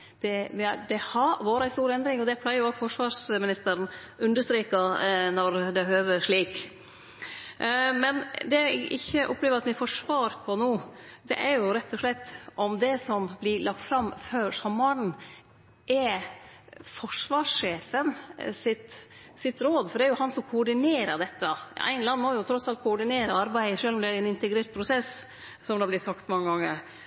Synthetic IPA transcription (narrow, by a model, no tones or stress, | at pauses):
d̪̥ɛʋd̪ɛhɑɾʋoːɾəæɪst̪uːɾɛnd̪ɾɪŋɔd̪ɛpʰlæɪəjʊɔfɔʂʋɑːʂmɪnɪst̪əɾn | ʉnd̪əʂt̪ɾiːkɑnɔɾd̪ɛhøːʋəʂɭiːk | mɛnd̪ɛʔɪçːəʔʊ̰pːleːʋəɾɑt̪ʋɪfɔʂʋɑːɾpʰɔnuːd̪ɛ̰ʔæɾjʊɾɛt̪ʰːɔʂlɛt̪ːʔɔmd̪ɛsɔmblɪlɑk̚t̪fɾɑmføːʂɑmːɑɳ̩ | ʔɛ | fɔʂʋɑːʂʂeːfənsɪt̪ | sɪt̪ɾoːd̪fɔɖɛæɾjʊhɑnsɔmkʰʊɔɖɪneːɾəd̪ɛt̪ːəʔæ̰ɪnlɑnːmɔjʊt̪ʰɾɔsɑlt̪̚kʰʊɔɖɪneːɾəɑɾbæɪʂøːlɔmd̪ɛæɾɛnɪnt̪ɛɡɾeːɾt̪̚pʰɾʊsɛs | sɔmd̪ɑblɪt̪sɑkt̪mɑŋːəɡɑŋːə̰ɾ